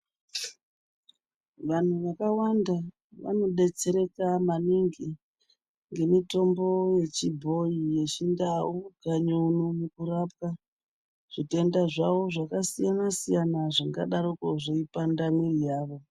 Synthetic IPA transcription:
ʋan̤uʋakawanda | ʋa̰no̞ɗe̞t͡se̞ɾe̞kamaniŋɡi | ŋɡe̞mito̞mbo̞je̞t͡ʃibʱo̞ije̞t͡ʃindauɡʱaɲounomukuɾap̚ka | ʐ̥ite̞ndaʐaʋo̞ʐakasijanasijanaʐiŋɡa̰ɗaɾokoʐeipandamirijaːʋo̞

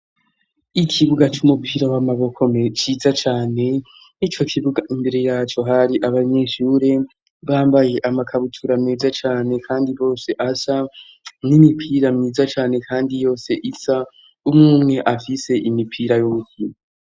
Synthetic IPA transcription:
ikʰiβuɡat͡ʃumupʰiːɾawamaβo̞kʰomt͡ʃiːzat͡ʃaːne̞ | nit͡ʃo̞kʰiβuɡaʔimbe̞ɾe̞jaːt͡ʃo̞ɦaɾiʔaβaɲe̞ːʃuɾe̞ | βaːmbaje̞ʔamakʰaβutʰuɾameːzat͡ʃaːne̞kʰaːndiβo̞ːse̞ʔasa | nimipʰiɾamɲiːzat͡ʃaːne̞kʰaːndijo̞ːse̞ʔisa | umŋuːmŋe̞ʔafise̞ʔimipʰiːɾajomukino

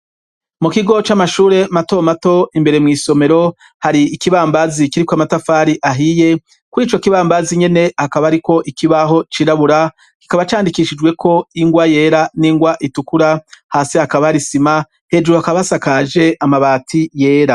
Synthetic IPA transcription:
mukiɡo̞t͡ʃamaʃuːɾe̞mato̞mato̞imbe̞ɾemŋiːso̞me̞ɾo̞ | haɾiːkiβaːmbazikiɾikoamatafaɾiʔaɦije̞ | kuɾiːt͡ʃo̞kiβaːmbaziɲe̞ne̞hakaβaaɾiko̞ʔikiβaɦo̞t͡ʃiːɾaβuɾa | ki̥kaβat͡ʃaːndikiʃid͡ʒwe̞kʰo̞iŋɡwaje̞ːɾaniːŋɡwaʔitukuɾahaːsihakaβahaɾisima | he̞d͡ʒuɾuhakaβasakaʒe̞ʔamaβaːtʰije̞ːɾa

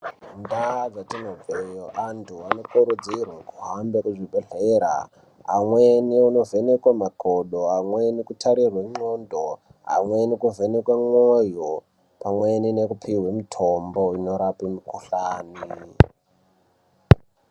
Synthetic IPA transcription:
ndaad͡zatinovejoʔantʰuano̞kuɾud͡zirwakuɦambekuʐiɓeɮeɾa̰ | ɦa̰mweniuno̞venekwamakʰoɗoamwenikutʰaɾirweŋ͡ǀondo | ɦa̰mwenikuvenekwaŋwojo | pamweninekupʰiwemitʰombo̞ino̞ɾapimukuɬaːni

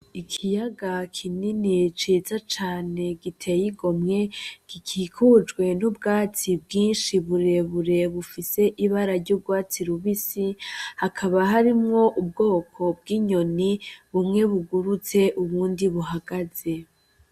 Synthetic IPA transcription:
ikʰijaɡakʰininit͡ʃiːzat͡ʃaːne̞ɡitʰe̞jiɡo̞mŋe̞ɡ̥ikʰikʰud͡ʒɡwe̞nubɡaːt͡sibɡiːnʃiβuɾe̞βuɾe̞βufise̞ʔiβaɾaɾɟub̚ɡwaːt͡siɾuβisihakʰaβaɦaɾimŋo̞ʔub̚ɡo̞ːkʰo̞b̚ɡiːɲo̞niβumŋe̞βuɡuɾut͡se̞ʔuβuːndiβuɦaɡ̥az̥e̞

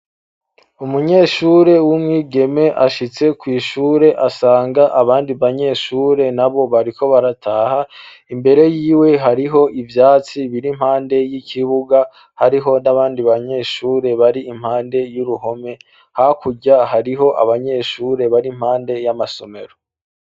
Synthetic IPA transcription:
umuɲe̞ːʃuːɾe̞wumŋiːɡe̞me̞ʔaʃit͡se̞kwiːʃuːɾe̞ʔasaːŋɡaʔaβaːndiβaɲe̞ːʃuːɾe̞naβo̞βaɾikʰo̞βaɾatʰaːha | imbe̞ɾe̞jiːweɦaɾiɦo̞ʔivjaːt͡siβiɾim̥haːnde̞jicʰiβuɡa | haɾiɦo̞naβaːndiβaɲe̞ːʃuːɾe̞βaɾiːm̥haːnde̞juɾuɦo̞me̞ | hakuɟahaɾiɦo̞ʔa̰βaɲe̞ːʃuːɾe̞βaɾim̥haːnde̞jamaso̞me̞̰ɾo̞

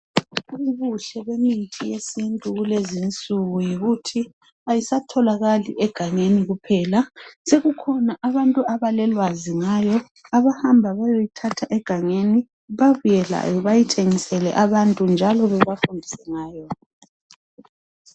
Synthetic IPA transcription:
uuβuɬɛβemitʰʼijesintʼuɣulezint͡sʼuɣujiɣutʰi | ajisatʰɔlaɣalḭʔɛɡ̥ʱaŋeniɣupʰɛːlaseɣukʰɔnaʔaβantʼuaβalɛlwaziŋajɔ | aβahambʱaβajojitʰatʰaʔɛɡ̥ʱaŋeni | βaβujɛla̰jɔβajitʰeŋisɛlɛ̰ʔaβantʼund͡ʒʱalɔβɛβafundʱisɛŋaːjɔ

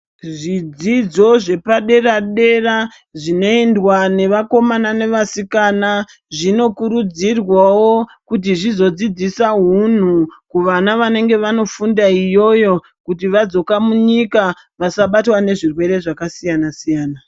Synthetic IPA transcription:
ʐid͡zid͡zo̞ʐe̞paɗe̞raɗe̞ra | ʐino̞endwane̞ʋako̞manane̞ʋasikana | ʐino̞kuɾud͡zirwawo̞kut̬iʐizo̞d͡zid͡zisaɦun̤ukuʋanaʋane̞ŋɡe̞ʋano̞fundaijo̞jo̞ | kutiʋad͡zo̞kamuɲika | ʋasaɓatwane̞ʐirwe̞ɾe̞ʐakasijanasijaːna

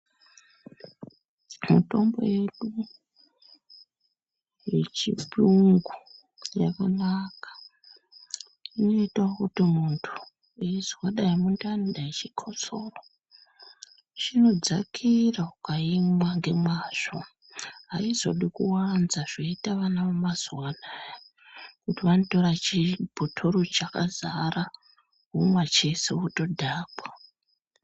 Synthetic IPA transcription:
muto̞mbo̞̰je̞ɗu | jḛt͡ʃipiŋɡu | ja̰kanakḁ | ino̞itawokutimuntʰu̥ | eizwaɗajimundandaet͡ʃikʰot͡soːro | t͡ʃino̞d͡zakʰiraukaimwaŋɡe̞mwaːʐo | ɦaizo̞̰ɗikuwanzaʐ̥oitaʋanaomazuwaɗaja | kutiʋanoto̞ɾat͡ʃib̥ʱotʰo̞ɾot͡ʃaka̰zara | ɦumwat͡ʃe̞se̞uto̞dʱaːkwa

